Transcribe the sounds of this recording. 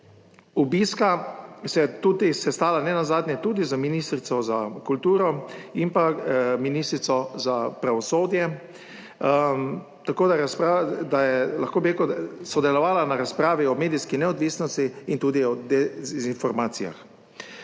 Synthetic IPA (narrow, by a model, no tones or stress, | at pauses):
ubiskasɛjɛt̪uːd̪isɛst̪aːlanɛnazaːd̪nʲjɛt̪uːd̪izaminiːst̪ɾit̪sɔzakult̪uːɾɔimpaminiːst̪ɾit̪sɔzapɾaʋɔsoːd̪jɛ | t̪akoːd̪aɾaspad̪ajɛlaxkoːbiɾekusɔd̪ɛlɔʋaːlanaɾaspɾaːʋiɔmeːd̪iskinɛɔd̪ʋiːsnɔst̪iint̪uːd̪iɔd̪ɛzinfɔɾmaːt̪sija̰x